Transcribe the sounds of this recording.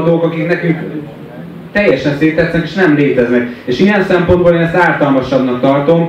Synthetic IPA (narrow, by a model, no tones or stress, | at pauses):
d̪oːkɒkiknɛkyŋk | t̪ɛjːɛʃɛnseːt̪ːɛt̪snɛkeːʃnɛmleːt̪ɛznɛkeːʃiɛnsɛmpo̞nd̪boːleːnɛst̪aːlt̪ɒlmɒʃɒbnɒkt̪ɒrt̪o̞m